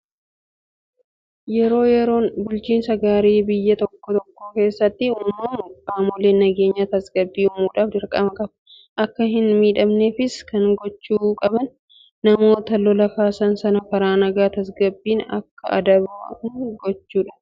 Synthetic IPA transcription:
jɛɾo̞ːjɛɾo̞ːnbʊlt͡ʃiːnsɐɡaːɾeːbɪjːɐt̪ɔkːɔt̪ɔkːoːke̞ːsːɐt̪ːɪʊmɐmʊkaːmoleːnɐɡe̞ːɲːɐt̪ɐsɡɐbːiːʊmuːᶑaːfd͡ʒɪɾkʼɐmɐkʼɐb | ʔɐkːɐɦɪnmiːᶑɐmneːfɪskɐŋɡɔt͡ʃːuːkʼɐbɐnː | ɐmo̞ːt̪ɐlɔlɐkaːsɐnsɐnɐfɐɾaːnɐɡaːt̪ɐsɡɐbːiːnɐ̰kːɐʔɐ̰d̪ɐbaːhɪŋɡɔt͡ʃːuːᶑɐ̥

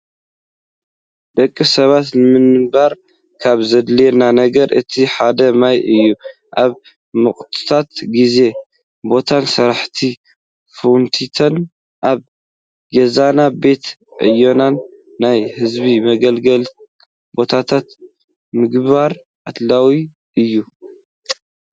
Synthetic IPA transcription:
d̪ɐkʼːisɐβat̪nɨmɨnɨbaɾ | kʰaβzɐd̪lenanɐɡɐɾʔɨt̪ʰiħad̪ɐmajɨjːu | ʔaβ | mɨχʼt̪ʰɨ̥t̪ʰat̪ɡize̞ | bo̞t̪ʰansɐɾaħt̪ʰi | fuwnt̪ʰit̪ʰɐn | ʔaβ | ɡezanabe̞t̪ʕɨ̰jo̞nanː | ajhɨzbimɐɡɐlɡɐl | bo̞t̪ʰat̪ʰat̪ | mɨɡβaɾ | ʔat̪lawi | ʔɨjːu

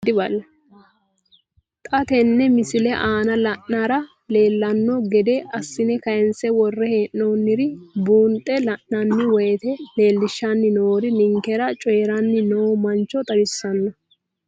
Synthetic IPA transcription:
d̪ɪbɐlːɐ | t̪ʼɐt̪ɛnːɛmɪsɪlɛʔaːnɐlɐʔːaːɾɐ | le̞ːlːɐnːɔɡɛd̪ɛʔɐsːɪnɛkɐjɛnsɛwɔrːɛheːʔːoːnːɪɾɪbuːnt̪ʼɛlɐʔːɐnːɪwɔjɛt̪ɛle̞ːlːɪʃːanːɪnoːɾɪnɪŋkɛɾɐt͡ʃʼɔjɛɾɐnːɪnoːmɐnt͡ʃːɔt̪ʼɐbɪsːɐnːɐ

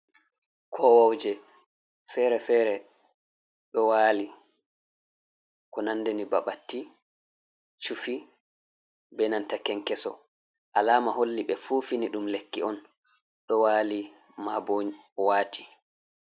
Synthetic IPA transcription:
kʰɔwawd͡ʒɛ | fɛɾɛfɛːɾɛ | ɗɔwaːli | kɔnandɛnibaɓatːi | t͡ʃufi | bɛnantakɛŋkɛsɔ̰ | ʔalaːmaɦolːiɓɛfufiniɗumlekːiɔn | ɗɔwaːli | maboɲ | ɔwaːti̥

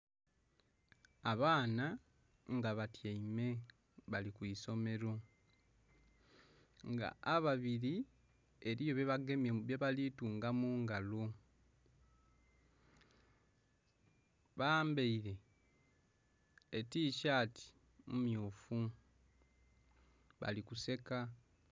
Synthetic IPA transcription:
aβaːna | ŋɡaβatjeime̞ | βalikwiso̞me̞ɾo̞ | ŋɡa̰ːβaβiɾi | eɾijoβeβaɡemjeβjeβalituːŋɡamuːŋɡalo | βaːmbeiɾe̞ | tiːʃaːti̥ | mumjuːfu | βa̰likuse̞ka

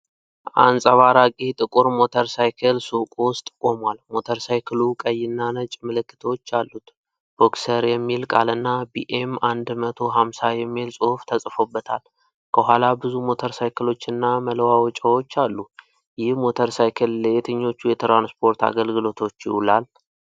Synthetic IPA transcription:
ʔa̰nsʼəβaɾakʼit̪ʼɨkʼuɾmo̞t̪ʰəɾsajkʰəlsukʼwʊst̪ʼkʼo̞mwalmo̞t̪ʰəɾsajkʰɨlukʼəjːɪnːanət͡ʃʼmɨlɨkːɨ̥t̪ʰəwot͡ʃːalːut̪ | b̥o̞ksəɾjɛmːilkʼa̰lɨnːabiʔemand̪mət̪ʰo̞ɦamsajɛmːilsʼɨhft̪ʰəsʼfo̞bːət̪ʰa̰l | kʰəɦʷalabɨzumo̞t̪ʰəɾsajkʰəlo̞t͡ʃːɨnːaməlwawɔt͡ʃʼəwo̞t͡ʃːalːu | jɪhmo̞t̪ʰəɾsajkʰəlːəet̪ʰɨɲːo̞t͡ʃːujɛt̪ʰɾanspʰo̞ɾt̪ʰa̰ɡəlɡɨlo̞t̪ʰo̞t͡ʃːjɪ̰hulal

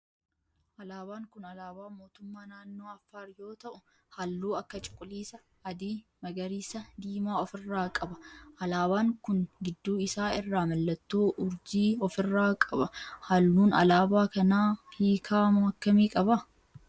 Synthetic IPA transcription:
ʔɐlaːbaːŋkʊnɐlaːbaːmo̞ːt̪ʊmːaːnaːnːo̞ːɐfːaːɾjo̞ːt̪ɐʔʊ | hɐlːuːɐkːɐt͡ʃʼɪ̥kʼːʊliːsɐ | ɐd̪iːmɐɡɐɾiːsɐd̪iːmaːɔfɪrːaːkʼɐbɐ̥ʔɐlaːbaːŋkʊnɡɪd̪ːuːɪsaːɪrːaːmɐlːɐt̪ːoːʔʊɾd͡ʒiːɔfɪrːaːkʼɐbɐhɐlːuːnɐ̰laːbaːkɐnaːhiːkʰaːmɐɐkːɐmiːkʼɐbɐ

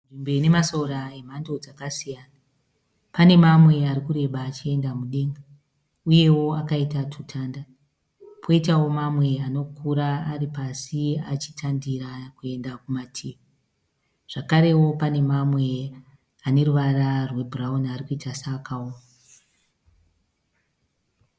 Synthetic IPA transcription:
nʐimbene̞masoɾaem̤ando̞d͡zakasijaːna | pane̞mamwe̞aɾikuɾe̞ɓaːt͡ʃie̞ndamuɗeŋɡa | uje̞wo̞akaitatʰutʰaːnda | pʰo̞itawo̞mamwe̞ano̞kʰuɾaːripasiat͡ʃi̥tʰandiɾakue̞ndakumatʰiːu | ʐ̥akaɾe̞wo̞pane̞mamwe̞ | ane̞ruʋararwe̞buraunarikuitasaːkʰaoːma

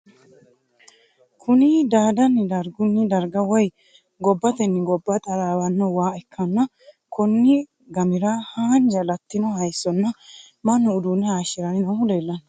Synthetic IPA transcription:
kʰʊnɪd̪aːd̪ɐnːɪd̪ɐɾɡʊnːɪd̪ɐɾɡɐwɔj | ɡɔbːɐt̪ɛnːɪɡɔbːɐt̪ʼɐɾawɐnːɔwaːɛkʰːɐnːɐ | kʊnːɪ | ɡɐmɪɾahaːnd͡ʒɐlɐt̪ːɪnɔhɐjsːɔnːɐ | mɐnːʊːd̪uːnːɛaːʃɪɾɐnɪnɐmʊleːlːɐn

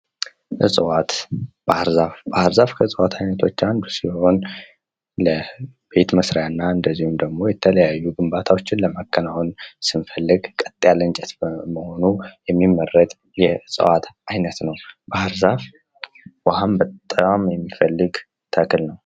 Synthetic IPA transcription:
ʔɨ̰sʼɨwat̪b̥ahɾzafbahɾzafkʰəɨsʼəwat̪ʰajnət̪ʰo̞t͡ʃːand̪usiho̞n | ləbe̞t̪məsɾajanːaɨnd̪əzːihumd̪əɡmo̞jɛt̪ʰələjajːuɡɨmbat̪ʰawo̞t͡ʃːɪnləmakʰːənawnsɨnfəlːɨɡkʼət̪ʼːjalɨnt͡ʃʼɛt̪məho̞nujɛmːimːərːət̪ʼ | jɛɨsʼə̰wat̪ʔajnət̪nəwbahɾzaf | wahambət̪ʼːəwamjɛmːifəlːɨɡ | t̪ʰəkʰlnəw

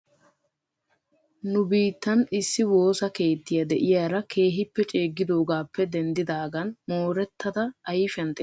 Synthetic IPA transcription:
nʊbiːt̪ːɐnɪsːɪwo̞ːsɐke̞ːt̪ːɪjɐd̪ɛʔɪjaːɾɐkʰe̞ːɦɪpːɛt͡ʃʼe̞ːɡːɪd̪o̞ːɡaːpːɛd̪ɛnd̪ɪd̪aːɡɐnmoːɾɛt̪ːɐd̪ɐɐjɪfɛnd̪ɛ

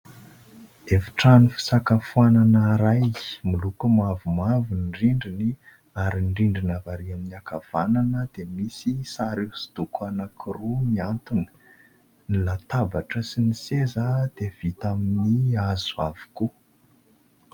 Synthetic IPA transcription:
efi̥ʈ͡ʂanifi̥sakəfuananəɾajmilukumavumavunɖ͡ʐiɳɖ͡ʐini | aɾiɳɖ͡ʐiɳɖ͡ʐinavaɾiaminiakav̥ananəd̪̥emisisaɾisi̥d̪ukʰuanakʰirumiant̪uni̥ | nilat̪abaʈ͡ʂəsinisezad̪ev̥it̪aminiazuavi̥ku

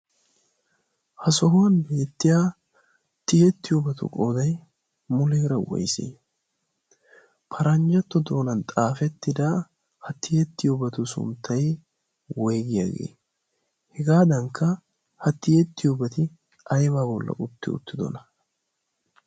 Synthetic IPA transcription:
hɐsɔɦʊwɐnbeːt̪ːɪjaː | t̪ːɪjɛt̪ːɪjoːbɐt̪ʊ̰kʼoːd̪ɐj | mʊleːɾɐwɔ̰jsḛː | pʰɐɾɐnd͡ʒɐt̪ːɔd̪oːnɐnt̪ʼaːfɛt̪ːɪd̪a | hɐt̪ːɪjɛt̪ːɪjoːbɐt̪ʊsʊ̰nt̪ʰːɐj | wɔjɡɪja̰ːɡe̞̰ː | hɛɡaːd̪ɐŋkʰːɐ | hɐt̪ːɪjet̪ːɪjobɐt̪ɪ | ʔɐjbaːbɔlːɐ̰ʔʊt̪ːɪ̰ʊ̰t̪ːɪd̪ɔ̰nɐ

